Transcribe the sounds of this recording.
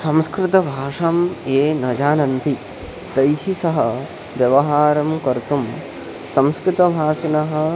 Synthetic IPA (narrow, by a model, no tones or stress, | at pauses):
sɐ̃mskɾɪt̪ɐbʱaːʂɐmeːnɐd͡ʒaːnɐnt̪i | t̪ɐjɦisɐɦɐ | ʋjɐʋɐɦaːɾɐmkɐɾt̪um | sɐ̃mskɾɪt̪ɐbʱaːʂinɐɦɐ̆